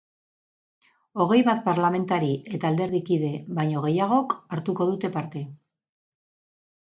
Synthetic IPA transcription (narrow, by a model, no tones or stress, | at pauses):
o̞ɣ̞e̞jβat̪̚paɾlame̞nt̪aɾie̞t̪aːld̪e̞ɾðikið̞e̞βajɲo̞ɣ̞e̞jaɣ̞o̞kaɾt̪uko̞ðut̪e̞paɾt̪e̞